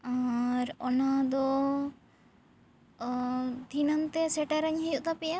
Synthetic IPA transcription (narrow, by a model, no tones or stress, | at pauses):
aɾɔnad̪ɔ | d̪ʱinant̪ɛsɛʈaɾaɲɦɛjuʔt̪apɛja